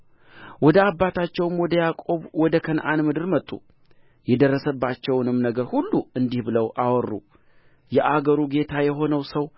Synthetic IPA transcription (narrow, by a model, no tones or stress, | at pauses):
wɔd̪əabːat̪ʰat͡ʃːɛwɨmwɔd̪əjakʼo̞βwɔd̪əkʰənʔanmɨd̪ɨɾmət̪ʼːṵ | jɛd̪ərːəsəbːat͡ʃːɛwnɨmnəɡəɾhulːuɨnd̪ihbɨləwʔawɔrːṵ | jɛʔaɡəɾuɡe̞t̪ʰajɛɦo̞nəwsəw